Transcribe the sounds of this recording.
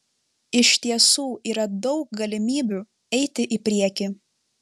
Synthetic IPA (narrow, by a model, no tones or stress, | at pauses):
ɪʃt̪ʲiɛsuːʔiːɾɐd̪ɒʊk̚ɡɐlʲɪmʲiːbʲuːˑ | ɛɪt̪ʲɪʔɪpʲɾʲiɛkʲiː